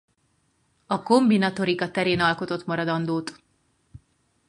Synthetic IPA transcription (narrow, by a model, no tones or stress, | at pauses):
ɒko̞mbinɒt̪o̞ɾikɒt̪ɛɾeːnɒlko̞t̪o̞t̪mɒɾɒd̪ɒnd̪oːt̪